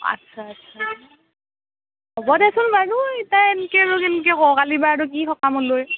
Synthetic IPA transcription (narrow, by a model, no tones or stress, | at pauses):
a̰tsʰaːtsʰa | hɔbɔdɛsʊnbaɹutajenikɛɹukɛnk̬ɛkɔkalibaːɹuk̬ixɔkamɔloj